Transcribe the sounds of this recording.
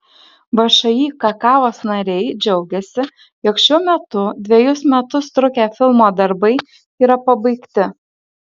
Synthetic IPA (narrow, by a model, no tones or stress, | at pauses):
ʋɐʃɐjiːkɐkɑːʋoːsnɐɾʲɛɪd͡ʒʲɛʊɡʲɛsʲɪ | joːkʃʲuɔmʲɛt̪ʊd̪ʲʋʲɛjʊsmʲɛt̪ʊst̪ɾʊkʲæfʲɪlˠmoːd̪ɐɾbɐɪ | iːɾɐpɐbɐɪkt̪ʲɪ